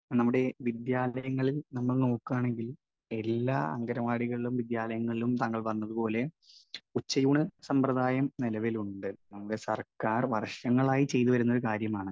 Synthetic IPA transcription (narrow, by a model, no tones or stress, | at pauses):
nɐmːuɽe̞ʋid̪jaːlɐjɐŋːɐɭilnɐmːɐɭno̞ːkːuaːɳe̞ŋɡil | e̞lːa̰ːɐ̰ŋɡɐɾɐʋaːɽiɣɐɭilumʋid̪jaːlɐjɐŋːɐɭilumt̪aːŋːɐɭʋɐnːɐðupo̞ːle̞ | ut͡ɕːɐjuːɳɨsɐmprɐðaːjɐmnilɐʋiluɳɖɨnɐmːuɽe̞sɐrkaːrʋɐrʂɐŋːɐɭaːjit͡ɕe̞jt̪uʋɐɾunːɐoɾukaːɾjɐmaːɳɨ